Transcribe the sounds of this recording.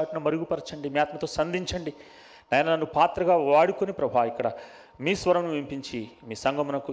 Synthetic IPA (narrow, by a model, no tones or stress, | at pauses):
ʈunɐmɐɾuɡupɐɾɐt͡ʃɐɳɖimiːaːt̪mɐt̪oːsɐnd̪iɲt͡ʃɐɳɖi | nɐjɐnɐnɐnːupaːt̪ɾɐɡaːʋaːɽukonipɾɐbʱaːikːɐɽɐ | miːsʋɐɾɐmnuʋimpiɲt͡ʃimiːsɐŋɡɐmunɐku